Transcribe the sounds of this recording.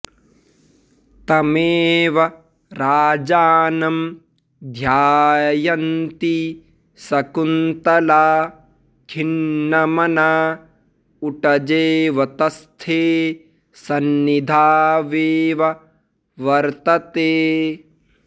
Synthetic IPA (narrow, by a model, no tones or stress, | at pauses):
t̪ɐmeːʋɐ | ɾaːd͡ʒaːnɐm | d̪ʱjaːjɐnt̪i | sɐkunt̪ɐlaː | kʰinːɐmɐnaː | uʈɐd͡ʒeːʋɐt̪ɐst̪ʰeː | sɐnːid̪ʱaːʋeːʋɐ | ʋɐɾt̪ɐt̪eː